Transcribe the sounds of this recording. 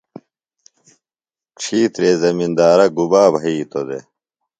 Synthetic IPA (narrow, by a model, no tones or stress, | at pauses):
kʂʰiːt̪ɾeːzɐmind̪aːɾɐɡubaːbʱɐiːt̪od̪ḛ